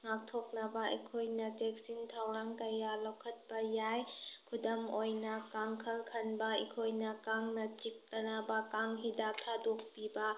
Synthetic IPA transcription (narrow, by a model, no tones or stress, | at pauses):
ŋak̚tʰok̚nɐbɐɐ̰jkʰojnɐt͡ʃek̚sintʰawɾaŋkɐjalawkʰɐt̚bɐjajkʰudɐmojnɐkaŋkʰɐlkʰɐnbɐḭkʰojnɐkaŋnɐt͡ʃik̚tɐnabɐkaŋɦidatʰadok̚pibɐ